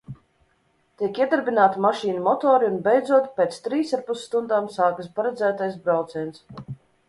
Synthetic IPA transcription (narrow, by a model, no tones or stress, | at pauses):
t̪iɛkiɛd̪aɾbinaːt̪imaʃiːnumɔt̪ɔːɾiunbɛjd̪zuɔt̪pʲeːt̪st̪ɾiːsaɾpusːt̪und̪aːmsaːkəspaɾɛd̪zæːt̪ajsbɾawt̪siɛns